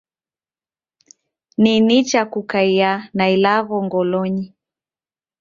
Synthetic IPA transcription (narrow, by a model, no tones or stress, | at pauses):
ninit͡ʃakukaianailaɣɔŋɡɔlɔɲi